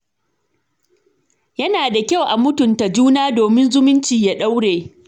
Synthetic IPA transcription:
jɐ˦naː˨da˨kʲa˦wʔa˨mʊ˦tʊ˨nta˨d͡ʒuː˦naː˦doː˨mɪ˦nzʊ˦mʊ˦nt͡ʃiː˨ja˦ɗa˦wɽeː˨

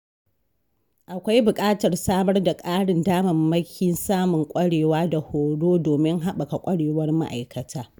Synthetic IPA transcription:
ʔa˨kʷa˦jbʊ˨kʼaː˦tɐ˨rsaː˦mɐ˦rda˨kʼaː˦ɽɪ˨ndaː˦mɐ˨mːɐ˦kʲi˦nsaː˦mʊ˨ŋkʷʼɐ˦ɽeː˨waː˦da˨hoː˨ɽoː˦doː˨mɪ˦ŋɦa˦ɓɐ˨ka˨kʷʼɐ˦ɽeː˨wɐ˦rma̰˦ʔa˨jkʰɐ˨tʰaː˦

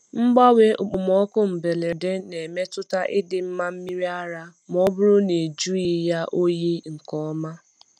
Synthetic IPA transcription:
m̩˦ɡ͡ba˦we˦ʊ˨k͡pʊ˨m˨ɔ˦kʊ˦m̩˨be˨le˨de˦ne˨me˦tʊ˦ta˦ʔɪ˦dɪ˨m̩˦ma˦m̩˦mi˦ɾi˦a˦ɾa˦m˨ɔ˦bʊ˦ɾʊ˦ne˨d͡ʒu˦i˦ja˦ʔo˦ji˦ŋ̩˨kɔ˦ma˦

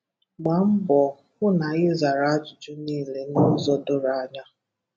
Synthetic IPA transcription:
ɡ͡ba˨m̩˦bɔ˨ | kʷʊ˦na˨ɣɪ˦za˨ɾa˨a˦d͡ʒʊ˨d͡ʒʊ˦niː˦˨le˨no˦zɔ˦dʊ˦ɾa˦˨a˦ɲa˦

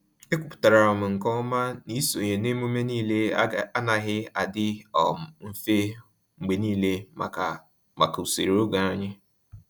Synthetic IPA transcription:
e˦kʷʊ˨pʊ̥˨ta˨ɾa˨ɾʊ˨mʊ˨ŋ̩˨kɔ˦ma˦ni˦so˨ɲe˨ne˦mu˦me˦niː˦le˦a˦na˨ɦɪ˦a˨dɪ˦ɔ̰˨m̩˦fe˦ | ŋ͡m̩˨ɡ͡be˨niː˦le˦˨ | ma̰˨ku˨sḛ˨ɾo˦ɡa˨a˦ɲɪ˦

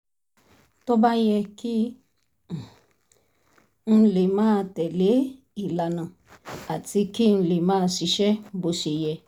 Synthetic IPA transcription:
to˦ba˦jɛ˧ki˦˨ | n̩˧le˨mãː˦˧tɛ˨le˨˦ | i˨la˨nã˨ | a˨ti˧ki˦n̩˧le˨mãː˦˧ʃi˧ʃɛ˦bo˧ʃe˨jɛ˧

